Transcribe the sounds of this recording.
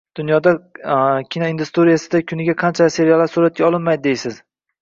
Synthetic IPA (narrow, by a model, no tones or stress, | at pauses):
d̪̥ʊnjɒd̪a | kʲʰinoind̪ust̪oɾijasɪd̪akʲʰʊnɪɡʲaqʰɑnt͡ʃʰase̞ɾijalːaɾsuɾat̪̚kʲaɒlˠɪnmajd̪ɪd̪ejsɪz̥